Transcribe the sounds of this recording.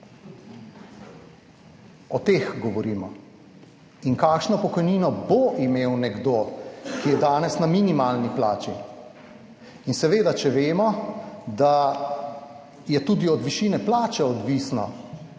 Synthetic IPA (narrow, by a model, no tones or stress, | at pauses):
ɔt̪eːxɡɔʋɔɾiːmɔ̰ | iŋkaːkʃnɔpɔkɔjniːnɔboʔimeːwnɛɡd̪okijɛd̪aːnɛsnamiːnimaːlniplaːt͡ʃi | insɛʋeːd̪at͡ʃɛʋeːmɔd̪a | jɛt̪uːd̪iɔd̪ʋiʃiːnɛplaːt͡ʃɛɔd̪ʋiːsnɔ̰